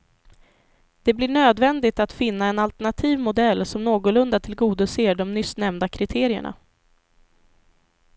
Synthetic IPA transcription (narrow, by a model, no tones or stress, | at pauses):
d̪̥ɛblɪɳøːd̪vɛnd̪ɪɡt̪at̪fɪnːaɛnalt̪æɳat̪ʰiːvmʊd̪ɛlːsɔmnoːɡʊlɵnd̪at̪ʰɪlɡuːd̪əseːɖɔmnʏsnɛmd̪akʰɾɪt̪ʰeːɾɪə̰ɳa̰